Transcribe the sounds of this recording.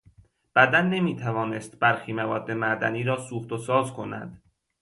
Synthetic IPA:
b̥æd̪ænːe̞miːt̪ʰævɒːnest̪̚b̥æɾxiːmævɒ̰ːd̪ːe̞mæd̪æniːɾɒːsuːxt̪osɒːzkʰo̞næ̰d̪̥

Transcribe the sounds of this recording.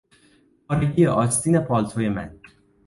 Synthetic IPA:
xɒːɾeɟijeʔɒːst̪iːnepʰɒːlt̪ʰojemæ̰n

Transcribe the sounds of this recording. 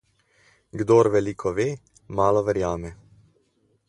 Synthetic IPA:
ɡd̪oːɾʋɛlikʰɔʋeː | maːlɔʋɛɾjaːmɛ

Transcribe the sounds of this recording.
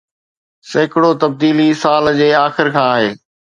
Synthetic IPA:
seːkɽot̪ɐb̚d̪iːlisaːld͡ʑeːaːxɪɾkʰãːaːɦeː

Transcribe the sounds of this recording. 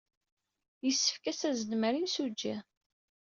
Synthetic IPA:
jəsːə̥fkæsæzəd̪məɾinsud͡ʒːi

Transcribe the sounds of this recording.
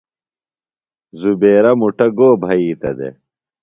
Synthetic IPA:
zubeːɾɐmuʈɐɡoːbʱɐiːt̪ɐ̰d̪ḛ

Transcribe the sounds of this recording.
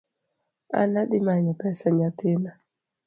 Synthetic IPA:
a̰naɗɪmaɲɔpɛsaɲat̪ɪna

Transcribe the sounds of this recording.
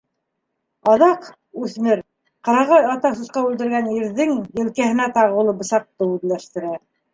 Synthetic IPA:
ɑðɑq | ʉθmɘɾ | qɑ̆ɾɑʁɑjɑt̪ɑsŭsqɑʉld̪ɘ̆ɾɡæniɾðɘŋjɘ̆lkæhɘ̆næt̪ɑʁɤulˠɤbɤ̆sɑq̚t̪ɤʉðlæʃt̪ɘ̆ɾæ

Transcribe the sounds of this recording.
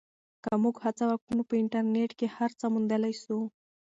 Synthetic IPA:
kəmuɡhat͡sawak̚ʈunopəɪɳʈaɾneʈkehaɾt͡samund̪əlajʃu

